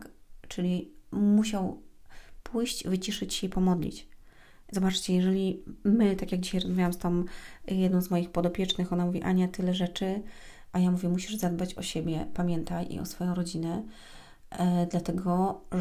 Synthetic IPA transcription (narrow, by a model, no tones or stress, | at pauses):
kt͡ʂɘlʲimuɕaw | pʰujɕt͡ɕvɘt͡ɕiʂɘt͡ɕɕɛipɔmɔd̪lʲḭt͡ɕ | zɔbat͡ʂt͡ɕɛjɛʐɛlʲimɘt̪akʲjaɡd͡ʑiɕajɾɔzmavʲawamst̪ɔmjɛd̪nɔ̃w̃zmɔjixpɔd̪ɔpʲjɛt͡ʂnɘxɔnamuvʲiʔaɲɛt̪ɘlɛʐɛt͡ʂɘ | ʔajamuvʲjɛmuɕiʐzad̪bat͡ɕɔ̰ɕɛbʲjɛpamʲjɛnt̪ajʔḭʔɔ̰sfɔjɔ̃w̃ɾɔd͡ʑinɛ | d̪lat̪ɛɡɔ